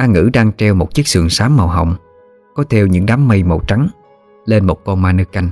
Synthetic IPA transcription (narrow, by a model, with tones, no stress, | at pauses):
ʔaː˧ŋɨ̰˧˥ɗaː˧ŋt͡ɕɛ˧wmo˨˩t̚t͡ɕi˦˥k̚sɨ̰˨˩əŋsaː˨˦mːa̰˨˩wɦə̰˨wŋ͡m | kɔ˨˦t̪ʰɛ˧wɲɨ̰˧˥ŋɗaː˨˦mːə˧jmo̰˨˧˩wt͡ɕa˨˦ŋ | le˧nmo˨˩t̚kɔ˧nmaː˧nɨ˧ka˧jŋ̟